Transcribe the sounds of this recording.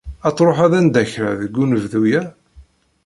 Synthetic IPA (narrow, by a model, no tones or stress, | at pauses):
ɑt͡s̪ˤːɾˤoħæðænd̪æçɾəʕðəɡːunəvðujæ